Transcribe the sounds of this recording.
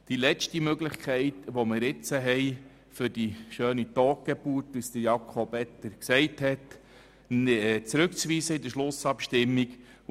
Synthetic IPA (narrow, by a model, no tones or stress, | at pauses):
d̥ilɛt͡ʃtimøɡləχkʰɛɪtʋomɪːɾɪt͡səɦɛɪ | fʏɾd̥iʃøːnit̪ɔːk̚ɡ̥ɛbuːrtust̪əjɑkʰobɛt̪ːəɾksɛɪthɛt | t͡sɾɵkt͡sʋiːzəid̪əʃlʊsɑpʃtɪmːik